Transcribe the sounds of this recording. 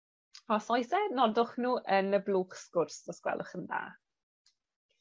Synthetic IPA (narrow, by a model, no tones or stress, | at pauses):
ɔsɔjsɛnɔdʊχnuːʔənəbluːχskʊrsɔskwɛ̰lʔʊ̰χənða̰ː